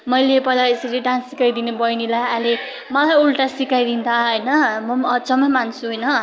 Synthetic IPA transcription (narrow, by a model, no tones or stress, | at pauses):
mʌjlepʌjlaesʌɾiɖãnsikajd̪inebʌjnilajale | mʌlajulʈasikajd̪int̪ʰaɦʌjnʌmʌmʌt͡sʌmʌjmansʰuɦʌjnʌ